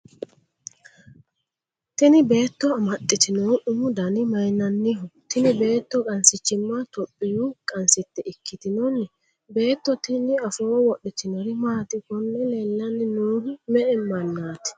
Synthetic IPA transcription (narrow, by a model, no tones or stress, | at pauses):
t̪ɪnɪbe̞ːt̪ːɔɐmɐt̪ʼːɪt̪ɪnɔʔʊmʊd̪ɐnɪmɐjnɐnːɪɦɔt̪ɪnɪbe̞ːt̪ːɔkʼɐnsɪt͡ʃːɪmːat̪ɔpʼːɪjukʼɐnsɪt̪ːɛʔɪkʰːɪt̪ɪnɔnːɛ | be̞ːt̪ːɔt̪ɪnɪɐfoːwɔɗːɪt̪ɪnɔɾɪmaːt̪ɪkɔnːɛlɛlːɐnːɪnuːnɪmɛʔɛmːɐnːaːt̪ɪ̥